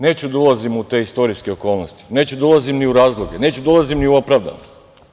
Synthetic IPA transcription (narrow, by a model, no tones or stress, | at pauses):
ne̞ːt͡ɕud̪aulazimut̪e̞ist̪o̞ɾiske̞o̞ko̞ːlˠnost̪i̥ne̞ːt͡ɕud̪aulˠazimniuɾaːzlˠoɡe̞ne̞ːt͡ɕud̪ulˠazimniuopɾaʋd̪a̰nost̪